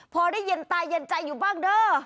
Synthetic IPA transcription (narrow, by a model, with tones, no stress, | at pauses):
pʰɔː˧daː˥˩jːe˧nt̪aː˧jːe˧nt͡ɕa˧jːuː˨˩baː˥˩ŋdɤː˧˩